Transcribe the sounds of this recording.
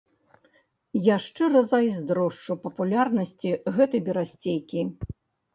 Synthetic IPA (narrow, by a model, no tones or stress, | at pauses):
jaʂt͡ʂɛrɐzajzʲd̪ɾɔʂt͡ʂupɐpulʲarnɐsʲt͡sʲiɣɛt̪ɐjbʲɛɾasʲt͡sʲejkʲi